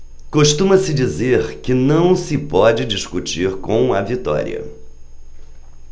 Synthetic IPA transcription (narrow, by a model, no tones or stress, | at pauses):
koʃt̪ũmɐsɪd͡ʒizeɾkɪnɐ̃w̃sɪpɔd͡ʒɪd͡ʒiskut͡ʃiɾkõw̃ɐvit̪ɔ̰ɾḭɐ̰